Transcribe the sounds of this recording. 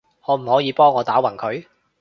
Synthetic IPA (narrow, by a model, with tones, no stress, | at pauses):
ŋɔː˨˧m̩˨˩hɔː˨˥jiː˨˧pɔː˥ŋːɔː˨˧t̪aː˨˥wɐ˨˩ŋkʰɵ˨˧ɥ